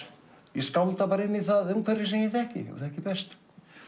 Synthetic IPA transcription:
jɛskaw̪t̪apaːɾɪnːiθaðɛnkʰvɛɾɪs̬ɛmjɪθɛhcɪ̰ṵθɛhcɪpɛst̪

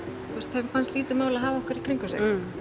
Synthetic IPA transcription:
tθʰuust̪hɛfanst̪liːt̪ɪmaːwlaðɦaːvaɔhkʏɾikʰɾiŋkʏsḛ

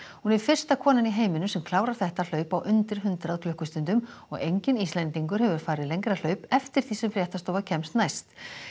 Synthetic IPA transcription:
hunɛɾ̥fɪr̥st̪akʰɔːnɪniɦeːjmɪnʏsɛmkʰlaːwɾaɾ̥θɛht̪al̥œːɥpawʔʏnt̪ɪɾ̥ɦʏnt̪ɾaðkʰlʏhkʏst̪ɪnt̪ʏm | ɔ̰ɣejɲcɪnist̪lɛnt̪iŋkʏɾ̥hɛvʏɾ̥faːɾɪðlejŋkɾal̥œːɥpɛft̪ɪɾ̥θisɛmfɾjɛht̪ast̪oːwvacʰɛmst̪najst̪

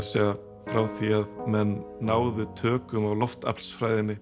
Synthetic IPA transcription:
sɛɣa | fɾawθiaðmɛnːaːwðʏt̪ʰœːkʏmawlɔft̪a̰pl̥sfɾaːjðɪnːɪ

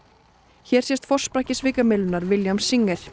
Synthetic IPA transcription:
çɛːɾ̥sjɛst̪fɔr̥spɾahcɪsvɪːkamɪlʏnaɾvɪljamsiŋːɛɾ̥

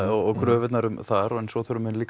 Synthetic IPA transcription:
ɔɔɣkʰɾœːvɪt̪naɾʏmθaɾɔɛnsɔθœɾʏmɛnliːk

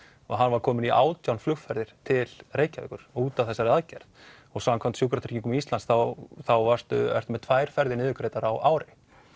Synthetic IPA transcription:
ɔ̰ɣɦanːvaɾ̥kʰɔːmɪniʔa̰ːwt̪jawnflʏxfɛɾðɪɾ̥t̪ʰɪlreːjcavɛ̰kʏɾ̥ɔuːt̪avθɛsːaɾaðcaɾð | ɔɣsaŋkʰvamt̪sjuːkɾat̪ʰi̥ciŋkʏmiist̪lansθawθawvar̥st̪ʏ̰ɛ̰r̥t̪mɛt̪ʰvaːjɾ̥fɛɾðɪnɪːðʏkɾeːjt̪aɾawʔaːwɾɪ

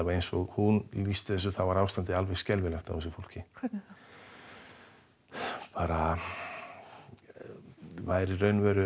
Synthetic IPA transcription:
avaɾejnsɔɣhunlist̪ɪðɛs̬ːʏθavaɾaːwst̪ant̪ɪalvɛɣscɛlvɪlɛxt̪a̰wfɛs̬ɪ̥ɾfowl̥cɪ | paːɾa | vaðɛɾirœːɥnvɛːɾʏ

